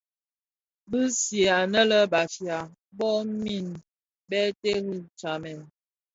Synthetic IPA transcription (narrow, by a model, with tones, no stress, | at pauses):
bɨ˦sje˨a˨nə˦lə˦ba˨fja˨ | bɔ˦mi˦˨n | bɛ˦te˦ɣi˦t͡ʃa˨mɛ˨